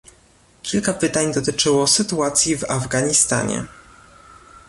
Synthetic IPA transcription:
kʲilkapɘt̪aɲd̪ɔt̪ɘt͡ʂɘwɔsɘt̪uat̪sʲjivavɡaɲist̪a̰ɲɛ̰

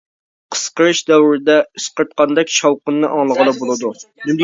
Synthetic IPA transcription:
qʰə̥sqəɾɨʃd̪ɛwɾɪd̪ɛɨsqəɾt̪̚qɑnd̪ɛkʲʃɑwqənːɨʔɑŋlˠəʁəlɑbolˠɨd̪unymd̪

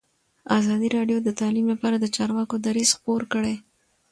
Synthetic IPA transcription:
azɑd̪iɾɑɖjod̪ət̪ɑlimlapɑɾad̪ət͡ʃɑɾwɑkod̪aɾiz̥xpoɾkəɽe

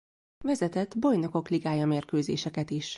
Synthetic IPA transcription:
vɛzɛt̪ɛd̪bo̞jno̞ko̞kliɡaːjɒmeːrkøːzḛːʃɛkɛt̪iʃ

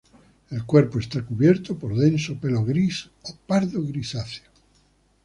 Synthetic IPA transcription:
e̞lkweɾpoest̪akuβjeɾt̪opoɾðẽnsopeloɣɾis | opaɾðoɣɾisaθjo

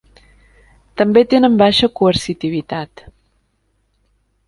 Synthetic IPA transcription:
t̪əmbet̪enəmbaʃəkuəɾsit̪iβit̪at̪

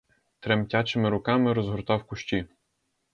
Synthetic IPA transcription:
t̪ɾemtʲat͡ʃɪmɪɾʊkɑmɪɾɔzɦɔɾt̪ɑwkʊʃt͡ʃʲi

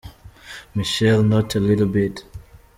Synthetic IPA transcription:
miʃɛlˠnotʰəlɪɾl̩ˠbɪt

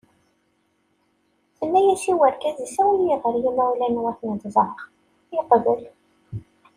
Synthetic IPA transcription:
θənːæjæsiwəɾkæzisæwljəʁəɾjimæwlænwæθnəd̪zˤɾˤəʁ | jɪqðəl

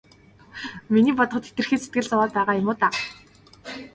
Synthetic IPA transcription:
miniːpɔt̪ɞ̆χɞ̆t̪ʰet̪ɘ̆rxeːset̪ɡɘ̆ɮt͡sʊwaːt̪pæːʁaːjʊmʊːt̪a

